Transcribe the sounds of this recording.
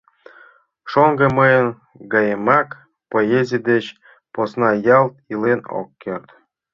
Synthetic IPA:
ʃoŋɡɤ̆mɤjən | ɡɑjemɑk | poezʲid̪et͡ɕ | posnɑjɑlˠt̪ileno̰kːert̪

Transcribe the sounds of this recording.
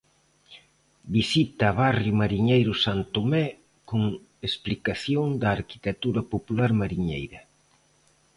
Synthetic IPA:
bisit̪ɐːβarjʊmaɾiɲejɾʊsant̪omɛ | koŋ | esplikaθjoŋd̪ɐːɾki̥t̪et̪uɾɐpopulaɾmaɾiɲejɾɐ

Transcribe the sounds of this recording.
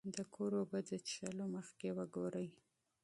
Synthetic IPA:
d̪əkʰoɾobəd͡zət͡ʃʃaloməxkewəɡoɾəj

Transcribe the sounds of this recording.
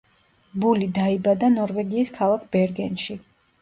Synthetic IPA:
bulid̪aibad̪anɔɾvɛɡiːskʰalˠakʰb̥ɛɾɡɛnʃi

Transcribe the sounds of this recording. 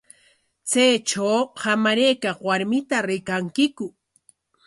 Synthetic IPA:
t͡sajt͡ʃawhamaɾejkaχwaɾmɪt̪aɾɪkaŋkɪkʊ

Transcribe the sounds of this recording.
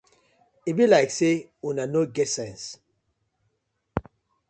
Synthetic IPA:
ibilaɪkseunanoɡɛtsɛ̃ns

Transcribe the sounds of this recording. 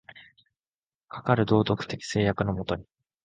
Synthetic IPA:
kʰḁkaɾɯ̟d̪o̞ːt̪o̞kɯ̟̥t̪e̞kʲi̥se̞ːjakɯ̟no̞mo̞t̪o̞ɲ̟i

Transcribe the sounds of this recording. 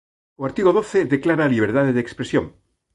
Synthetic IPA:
oaɾt̪iɣoðoθeðeklaɾaliβeɾt̪aðeðeːkspɾesjoŋ

